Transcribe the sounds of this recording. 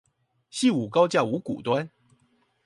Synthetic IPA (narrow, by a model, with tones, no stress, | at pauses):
ɕi˥˨u˨˩kɑ˥˦ʊt͡ɕja˥˩u˨˥kṵ˨˩t̪wa˦n